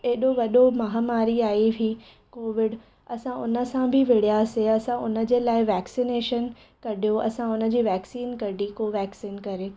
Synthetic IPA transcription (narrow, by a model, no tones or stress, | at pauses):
eɦɪɗoʋɐɗomɐɦamaːɾiaːiʋʱi | koːʋɪɖ | ɐsãʊnə̆sãbʱɪʋɪɽ̤ijaseɐsãʊnə̆d͡ʑeːlaːɪʋɛːksineːʃən | kɐɽʱijoʔɐ̰sãʊnə̆d͡ʑiːʋɛːksiːnkɐɖʱikoʋɛːksiːnkɐɾeː